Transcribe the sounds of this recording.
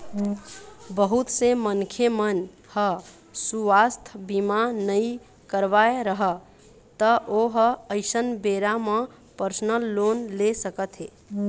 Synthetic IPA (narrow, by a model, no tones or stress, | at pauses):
bəɦut̪semənkʰjemən | hə | suʋast̪ʰbimanəi | kəɾʋaeɾəɦə | t̪əʔoɦəəɪsənbeɾamẽ | pəɾsnəlːonlesəkət̪ɦe